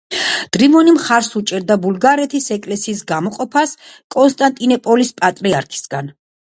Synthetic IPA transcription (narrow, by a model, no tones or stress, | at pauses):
d̪̥ɾimɔnimχaɾsut͡ʃʼɛɾd̪abulˠɡaɾɛt̪ʰisɛkʼlɛsiːsɡamɔqʼɔpʰas | kʼɔnst̪ʼant̪ʼinɔpʼɔlispʼat̪ʼɾiaɾkʰi̥sɡ̥an